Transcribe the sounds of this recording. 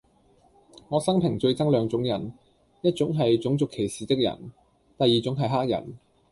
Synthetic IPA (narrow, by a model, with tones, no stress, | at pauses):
ŋɔː˨˧sɐ˥ŋpʰɪ˨˩ŋt͡ʃɵ˧ɥt͡sɐ˥ŋlœː˨˧ŋt͡sʊ˨˥ŋjɐ˨˩n | jɐ˥t̚t͡sʊ˨˥ŋɦɐ˨jt͡sʊ˨˥ŋt͡sʊ˨kʰːe˨˩jsiː˨t̪ɪ˥k̚jɐ̰˨˩n | t̪ɐ˨jːiː˨t͡sʊ˨˥ŋɦɐ˨jɦaː˥k̚jɐ̰˨˩n